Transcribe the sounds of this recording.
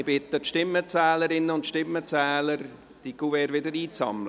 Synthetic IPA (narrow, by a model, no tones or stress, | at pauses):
b̥ɪt̪ətʃtɪmːət͡sɛːləɾɪnəʊntʃtɪmːət͡sɛːləɾ | d̥ikuvɛːɾʋɪdəɾiːt͡sɑ̰ml